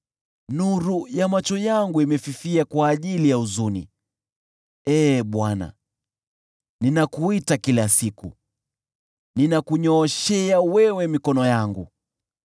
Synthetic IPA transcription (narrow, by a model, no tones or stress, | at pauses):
nuɾujamat͡ʃɔjaŋɡuimɛfifiakwaːʄilijauzunḭ | ɛːɓwana̰ | ninakuitakilasiku | ninakuɲɔːʃɛawɛwɛmikɔnɔjaŋɡṵ